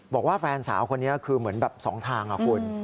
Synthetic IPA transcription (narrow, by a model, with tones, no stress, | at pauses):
bɔː˨˩k̚waː˥˩fɛː˧nsa̰ː˩˦wkʰo˧nːi˦˥ɐkʰɯː˧mɯ˩˦ənbɛː˨˩p̚sɔ̰ː˩˦ŋt̪ʰaː˧ŋʔa̰˨˩kʰu˧n